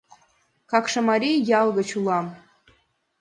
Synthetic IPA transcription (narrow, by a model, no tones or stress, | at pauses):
kɑkʃɤ̆mɑɾʲijɑlˠɣɤ̆t͡ɕulˠɑm